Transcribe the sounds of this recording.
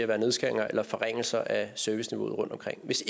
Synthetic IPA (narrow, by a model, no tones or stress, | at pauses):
æɐʋæːɐne̝ð̞ˠsɡ̥æeŋɐʔelɐfɒ̽ʁeŋ̰l̩sɐʔæsøɐʋisniʋo̝̰ːð̩ˠʁɔ̽n̰d̥ɒmkʰʁeŋ̰ʋe̝s